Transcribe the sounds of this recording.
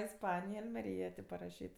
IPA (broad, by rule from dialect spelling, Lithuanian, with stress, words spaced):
ɪsˈpɑːnʲɪjɛ ɐlʲmʲɛˈrʲiːjɛ tʲeː pɐrɐˈʃʲiːt